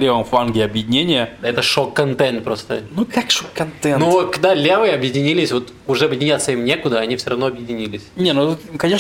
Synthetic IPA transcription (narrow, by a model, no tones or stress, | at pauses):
lʲevəmfanɡʲɪɐbjɪdʲɪnʲenʲɪjəd̪ɛt̪əʂokːɐnt̪ɛnt̪̚pɾo̞st̪ə̰nukakʂokːɐnt̪ɛnukd̪alʲevɨjɐbjɪdʲɪnʲilʲɪsʲvo̞t̪ | ʊʐɛɐbjɪdʲɪnʲat̪sːəimnʲekʊd̪əɐnʲifsʲoɾʔɐvno̞ɐbjɪdʲɪnʲilʲɪsʲnʲenukɐnʲe